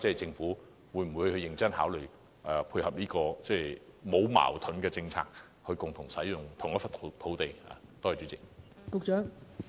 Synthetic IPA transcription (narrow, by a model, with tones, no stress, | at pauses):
t͡sɛ˥˨˩jt͡sɪ˧ŋfuː˨˥ | wuː˨˧jm̩˨wu˨˧jhɵ˧ɥjɪ˨˧ŋt͡sɐ˥nhaː˨˥wlɵ˨˩ | ʔɛː˨˩pʰuː˧jhɐ˨p̚liː˥kɔː˧t͡sɛː˥˩mo˨˧wma̰ː˨˩wt̪ʰɵ˨˥nkɛː˧t͡sɪ˧ŋt͡sʰa̰ː˧k̚ | hɵ˧kʊ˨ŋt̪ʰʊ˨˩ŋsɐ˨˥jjʊ˨˩ŋt̪ʰʊ˨˩ŋjɐ˥t̚fɐ˨tʰt̪ʰo˨˥wt̪e˨ja̰˨˩t̪ɔː˥˨˩t͡ʃy˨˧˥t͡sɪ˨k̚kʊ˨˧k̚t͡ʃœː˨˥ŋ